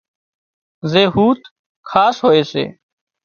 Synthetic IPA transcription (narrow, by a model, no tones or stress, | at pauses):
zeːɦuːt̪ | kʰaːsɦoːeːsḛː